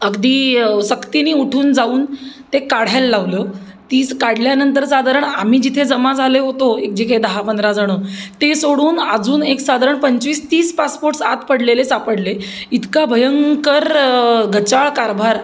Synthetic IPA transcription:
əɡd̪iːsəkt̪iniːuʈʰuːnd͡zauːnt̪ekaɽ̤alːaʋləː | t̪iːskaɽ̤ljanənt̪əɾsad̪ʱaɾəɳam̤iːd͡ʑit̪ʰed͡zəmad͡zʱaleɦot̪oek̚d͡ʑikʰed̪əɦapənd̪ɾad͡zʱaɽ̃ət̪esoɽuːnəd͡zuːneksad̪ʱaɾəɳpəɲt͡ɕʋiːst̪iːspaspoɾʈsat̪pəɽlelesapəɽleit̪kabʱəjəŋkəɾɡət͡ɕaɭkaɾbʱaɾ

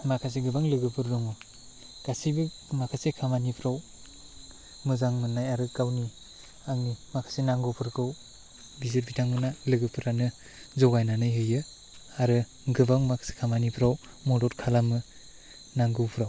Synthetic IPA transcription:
makʰas̬eɡɯbaŋlɯɡɯpʰɯɾdɔŋɔ | ɡ̥asibɯ | makʰasekʰamanipʰɾaw | mɯzaŋmɯnːajaɾɯkawni | aŋnimakʰḁsenaŋɡɯwpʰɯɾkʰɯw | bizɯt̚bitʰaŋmɯnalɯɡɯpʰɯɾanɯ | zɔɡajnanɯjɦɯjɯ | aɾɯ | ɡɯbaŋmakʰḁse̥kʰamanipʰɾaw | mɔdɔtkʰalamɯ | naŋɡɯwpʰɯɾaw

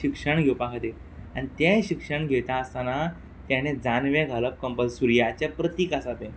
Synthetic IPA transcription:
ikʂəɳɡʱewpakʰat̪e | añit̪eɕikʂəɳɡʱet̪aəst̪ana | t̪jañẽd͡zanʋeɡʱaləp̚kəmpəlsuɾjat͡ɕapɾət̪ikasat̪ẽ

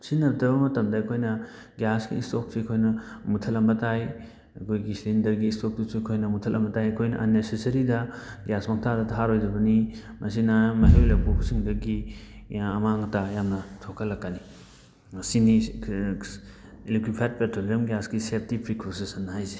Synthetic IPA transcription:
sinɐbdɐbɐmɐtɐmdɐɐkʰojnɐ | ɡjasɡḭːstok̚sikʰojnɐmutʰɐlɐmbɐtaj | ɐkʰojɡisindɐɾɡiːstok̚dusiɐkʰojnɐmutʰɐlʔɐmbɐtajɐkʰojnɐ̰ʔɐnːesesɐɾidɐɡjasmɐk̚tʰadɐtʰaɾojdɐbɐni | mʔɐsinɐmɐɦelepʰupʰusiŋdɐɡi | ɐmaŋɐtajamnɐtʰokʰɐlːɐkːani | mɐsini | ilikwipʰajd̚petʰɾolizɐmɡjasɡiseɾtipʰikʰːosesɐnːɐɦajze̥

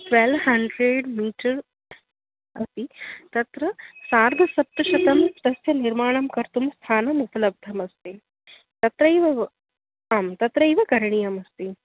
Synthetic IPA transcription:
ʈʋelʋhɐɳɖɾeɖmiːʈɐɾ | ɐst̪it̪ɐt̪ɾɐsaːɾɡʱɐsɐp̚t̪ɐʃɐt̪ɐmt̪ɐsjɐniɾmaːɳ̃ɐmkɐɾt̪umst̪ʰaːnɐmupɐlɐb̚d̪ʱɐmɐst̪i | t̪ɐt̪ɾɐjʋɐ | aːmt̪ɐt̪ɾɐiʋɐkɐɾɐɳijɐmɐst̪i

